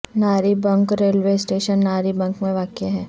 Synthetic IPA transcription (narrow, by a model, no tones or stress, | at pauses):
naːɾibɐ̃ŋkɾeːlʋeːsʈeːʃənːaːɾibɐ̃ŋkmẽʋaːkeɦɛː